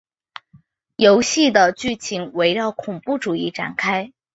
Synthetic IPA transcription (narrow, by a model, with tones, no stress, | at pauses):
jo˧˥ʊɕi˥˩d̪ə˩t͡ɕy˥˩t͡ɕʰi˧˥ŋwe˧˥ɪɻɑ˥˩ʊkʰʊ˨˩ŋpu˥˩ʈ͡ʂu˨˩i˥˩ʈ͡ʂa̰˨˩nkʰa˥ɪ